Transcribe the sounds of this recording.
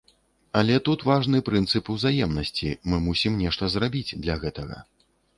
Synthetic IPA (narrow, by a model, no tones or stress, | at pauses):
ɐlʲɛt̪ut̪vaʐnɨpɾɨnt̪sɨpuwzajɛmnɐsʲt͡sʲimɨmusʲimnʲɛʂt̪ɐzrabʲid͡zʲd̪lʲɐɣɛt̪ɐɣɐ̰